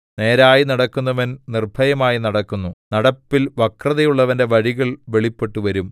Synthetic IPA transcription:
ne̞ːɾaːjinɐɽɐkːunːɐʋɐnnirbʱɐjɐmaːjinɐɽɐkːunːunɐɽɐpːilʋɐkrɐðɐjuɭːɐʋɐnde̞ʋɐɻiɣɐɭʋe̞ɭipːe̞ʈːuʋɐɾum

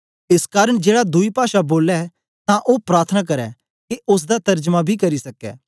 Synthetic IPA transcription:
ɪskaːɾəɽ̃d͡ʒeːɽad̪ʊipaːʃaboːlɛ | t̪ãʔopɾaːɾt̪ʰənakɐɾɛ | keʔʊs̬d̪at̪ɐɾd͡ʒmãbʱikɐɾisɐkɛ̰ː

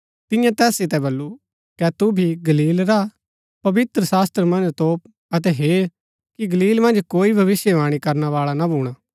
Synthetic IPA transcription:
t̪ɪ̃jãt̪ɛːsɪt̪ɛbɐlːu | kɛt̪ubʱiɡɐliːlɾa | pɐʋɪt̪ɾəsaːst̪ɾəmɐ̃nd͡ʒt̪oːp̚ | ɐt̪ɛɦeː | kiɡɐliːlmɐ̃nd͡ʒkoːibʱɐʋɪsjɛʋaːɽ̃ikɐɾnaʋaːɭanabʱuːɽ̃aː

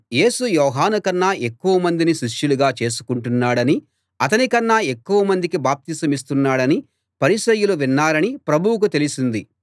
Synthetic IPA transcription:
je̞ːsujɔːɦaːnukɐnːɐe̞kːuʋɐmɐnd̪iniʃiʂjuluɡaːt͡ʃe̞ːs̬u̥kuɳʈunːaːɽɐni | ɐt̪̬ɐnikɐnːɐe̞kːuʋɐmɐnd̪ikibaːp̚t̪iːsɐmis̬t̪unːaːɽɐni | pɐɾiʃɐjuluʋinːaːɾɐnipɾɐbʱuwuk̬ut̪e̞lisind̪i

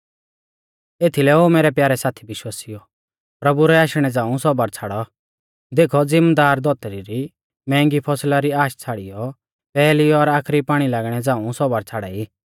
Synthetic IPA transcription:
eːt̪ʰilɛoːmeːɾɛpjaːɾɛsaːt̪ʰibɪʃwaːsijɔ | pɾɐbuɾɛaːʃɽ̃ɛd͡zãːũsɔbaɾt͡sʰaːɽɔ | d̪eːkʰɔd͡zɪmd̪aːɾd̪ɔt̪ɾiɾi | mɛ̃ːŋɡipʰɔslaɾiaːʃt͡sʰaːɽijɔ | pɛːliɔɾaːkʰɾipaːɽ̃ilaːɡɽ̃ɛd͡zãːũsɔbaɾt͡sʰaːɽa̰iː

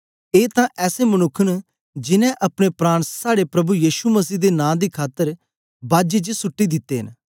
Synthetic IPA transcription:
eːt̪ãːʔɛːsemənʊkʰːən | d͡ʒɪnɛ̃ʔɐpɽ̃epɾaːɽ̃saːɽepɾɐbujiːʃuməsiːd̪enãːd̪iːkʰaːt̪ːəɾ | baːd͡ʒet͡ʃsʊʈːid̪ɪt̪ːeːɦɪ̰n

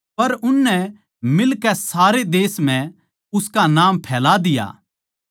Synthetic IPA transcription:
pɐɾʊnːɛ | mɪlkɛsaːɾed̪eːsm̤ɛ̃ | ʊskanaːmpʰɛːlad̪ɪja̰ː

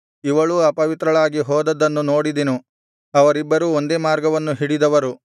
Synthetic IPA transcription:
iʋɐɭuɐpɐʋit̪ɾɐɭaːɡiɦɔːd̪ɐd̪ɐnːuno̞ːɽid̪inu | ɐʋɐɾibːɐɾuond̪e̞ːmaːɾɡɐʋɐnːuɦiɽid̪ɐʋɐɾu

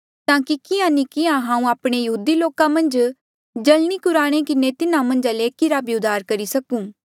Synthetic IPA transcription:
t̪ãːkikɪãnikɪãɦãːũaːpɽ̃ejɐɦuːd̪iloːkamɐ̃nd͡ʒ | d͡ʒɐlñikʊɾaːɽ̃ekɪnet̪ɪnãmɐ̃nd͡ʒaleːkɪɾaːbiʊd̪ʱaːɾkɐɾisɐkũː

